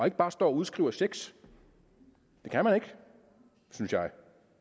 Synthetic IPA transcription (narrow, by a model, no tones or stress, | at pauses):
e̝ɡ̥əb̥ɑ̈ːsd̥ɒ̰ːɒuð̞ˠsɡ̥ʁiʊɐseɡ̥s | d̥e̝kʰænmæne̝ɡ̥ | synsjɑ̈ɪ